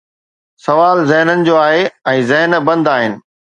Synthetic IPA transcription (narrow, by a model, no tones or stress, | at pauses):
sɐʋaːlzɛɦnənɪ̆d͡ʑoːaːɦeɛ̃ːzɛɦnbɐ̃nd̪aːɦɪnɪ̆